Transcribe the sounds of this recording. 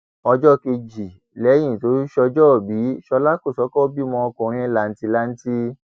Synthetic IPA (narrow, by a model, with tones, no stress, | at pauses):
ɔ˧d͡ʒɔ˦ke˧d͡ʒi˨ | lɛ˨˦j̃ĩ˦˨to˨˦i˦ʃɔ˧d͡ʒɔ˦˨bi˨˦ʃɔ˧la˦ko˦˨sɔ˨˦kɔ˦bi˦mɔ̃˧ɔ˧kũ˨ɾ̃ĩ˦la˨n̩˦ti˧la˦n̩˦ti˦